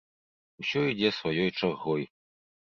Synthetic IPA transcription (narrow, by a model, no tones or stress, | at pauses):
wsʲɔid͡zʲɛsvajɔjt͡ʂarɣɔj